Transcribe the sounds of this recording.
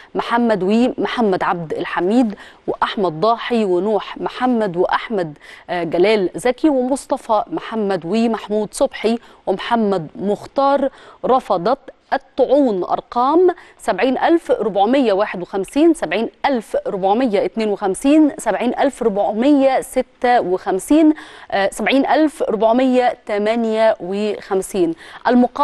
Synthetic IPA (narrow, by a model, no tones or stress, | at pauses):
mʊħamːæd̪wiːmʊħamːæd̪ʕab̚d̪ɪlħamiːd̪wɪʔaħmæd̪̚ˤd̪ˤɑːħiwɪnuːħmħamːæd̪wɪʔaħmæd̪ɡælæːlzækiwɪmʊsˤt̪ˤɑfɑmħamːæd̪wiːmaħmuːd̪sˤobħi | wɪmħamːæd̪mʊxt̪ɑːɾˤɾˤɑfɑd̪ˤɑt̪ʔt̪ˤːʊʕuːnʔɑ̰ɾˤqɑːmsabʕiːnʔalfɾʊbʕmɪjːawaːħɪd̪wɪxæmsiːnsabʕiːnʔælfɾʊbʕmɪjːaʔɪt̪neːnwɪxæmsiːnsabʕiːnʔalfɾʊbʕmɪjːæsɪt̪ːawɪxæmsiːnsabʕiːnʔalfɾʊbʕmɪjːæt̪æmænjæwɪxæmsiːnʔælmʊq